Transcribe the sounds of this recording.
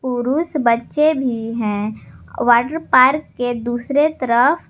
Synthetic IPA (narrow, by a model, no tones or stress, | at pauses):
puɾuːsbətːʃebʱiɦɛ̃ːʋaːʈəɾpaːɾkːed̪uːsɾet̪əɾəf